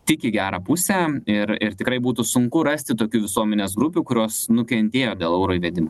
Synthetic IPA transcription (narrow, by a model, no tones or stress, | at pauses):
t̪ʲɪkʲɪɡʲæːɾɑːpʊsʲæɪɾɪɾt̪ʲɪkɾɐɪbuːt̪usʊŋkʊɾɐsʲt̪ʲɪt̪oːkʲuːʋʲɪsuɔmʲɛnʲeːs̬ɡɾʊpʲuːkʊɾʲoːsnʊkʲɛnʲt̪ʲeːjoːd̪ʲeːlˠɛʊɾoːiːʋʲɛd̪ʲɪmoː